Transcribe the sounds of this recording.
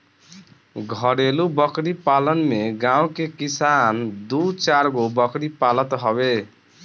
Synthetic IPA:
ɡʱʌɽelubʌkɾipalənmeɡãw̃kekisand̪ut͡ʃaɾɡobʌkɾipalət̪ɦɔbe

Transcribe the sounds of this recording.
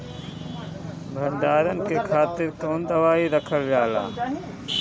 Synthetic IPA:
bʱəɳɖaːɾənkeːkʰaːt̪ɪɾkoːnd̪əʋaːiːɾəkʰəlʋjaːla̰ː

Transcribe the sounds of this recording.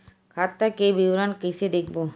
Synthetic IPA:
kʰat̪ːakebiwɾankəsed̪ekʰbo

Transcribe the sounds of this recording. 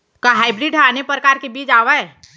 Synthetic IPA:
kaɦaːɪbɾiɖaːnepɾəkaːɾkebiːd͡ʒaːʋaɛː

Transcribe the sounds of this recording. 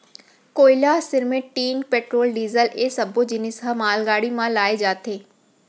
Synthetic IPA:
koːɪlasɪɾmẽʈːiːnpeːʈɾoːlɖiːzəleːsɐbʱod͡ʒɪnɪsɦɐmaːlɡaːɽimãlaːed͡ʒaːt̪ʰeː

